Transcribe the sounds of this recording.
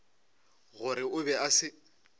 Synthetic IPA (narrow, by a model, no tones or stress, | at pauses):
ɣʊɾɪʊbɛʔasɪ